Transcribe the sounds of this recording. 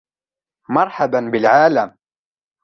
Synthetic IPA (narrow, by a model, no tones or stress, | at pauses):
mɑɾˤħabanbɪlʕaːlam